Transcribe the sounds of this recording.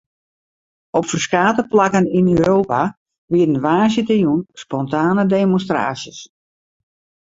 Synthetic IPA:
ɔpfərskaːtəplakəninøːɾoːpa | ʋiədənʋaːsjətəjunspɔntaːnədeːmonstra̰ːsjəs

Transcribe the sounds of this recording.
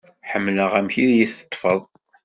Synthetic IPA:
ħəmːləʁæmçiðjiθə̥t̪ˤːfəðˤ

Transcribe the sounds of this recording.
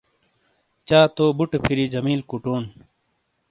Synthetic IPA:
t͡ɕaːt̪oːbuʈpʰiɾid͡ʑɐmiːlkuʈoːn

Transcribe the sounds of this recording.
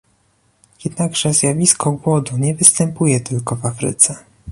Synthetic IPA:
jɛd̪naɡʐɛzʲjavʲiskʰɔɡwɔd̪uɲɛvɘst̪ɛmpujɛt̪ɘlkɔvafɾɘ̰t̪sɛ

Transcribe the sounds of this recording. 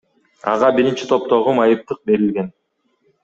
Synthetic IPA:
ɑ̰ʁɑbiɾint͡ʃi̥t̪ʰo̞p̚t̪o̞ʁumɑjɯp̚t̪ɯq̚be̞ɾilɡe̞n

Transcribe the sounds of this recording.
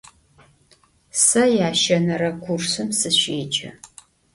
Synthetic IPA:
sɐjaːʃɐnɐɾɐkʷʰʊrsɨmsɨɕeːd͡ʒʼɐ̰

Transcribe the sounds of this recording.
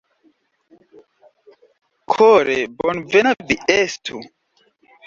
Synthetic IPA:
kʰoɾebonvenaviestʰu

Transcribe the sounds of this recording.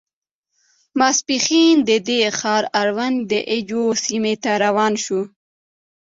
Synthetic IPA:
maspixind̪əd̪exɑːɾaɾwand̪əʔɪd͡ʒosimet̪aɾawɑːnʃu

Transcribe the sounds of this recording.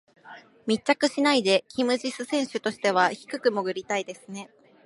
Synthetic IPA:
mʲitt͡ɕːakɯ̟ɕinaid̪e̞kʲʰimɯ̟ʑisɨsẽ̞ɰ̃ɕɨt̪o̞ɕi̥t̪e̞β̞açi̥kɯ̟kɯ̟moɡɯ̟ɾʲit̪aid̪e̞sɨne̞

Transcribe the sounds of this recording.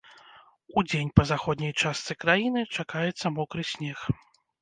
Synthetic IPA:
ud͡zʲenʲpɐzaxɔd̪nʲɐjt͡ʂast̪sɨkɾajinɨt͡ʂakajɛt̪sːɐmɔkɾɨsʲnʲɛx

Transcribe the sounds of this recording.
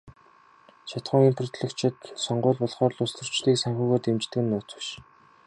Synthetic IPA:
t͡ɕʰat̪χʊːŋimpʰrʊ̆t̪ɮɘ̆kt͡ɕʰɪ̆t̪sɔɴɢʊːɮpɔɮχɔːrɮʊst̪ə̆r̥t͡ɕɮiːksaŋxʲuːɣoːt̪emt͡ɕt̪ɘ̆kɘ̆nːʊːt͡sə̆ʃ

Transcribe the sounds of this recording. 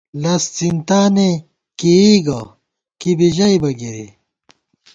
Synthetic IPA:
lɐst͡sint̪aːne | kiiɡɐ | kibiʑɐibɐɡiɾḭ

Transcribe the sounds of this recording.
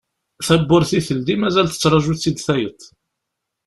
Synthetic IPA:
θæbːʊɾθiθəld̪imæzælθə̥t͡sːɾˤɑʒuθid̪θæjət̪ː

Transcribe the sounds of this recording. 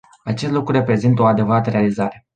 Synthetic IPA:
at͡ʃe̞st̪lukɾure̞pɾe̞zint̪əo̞ad̪e̞vəɾat̪əɾe̞alizaɾe̞

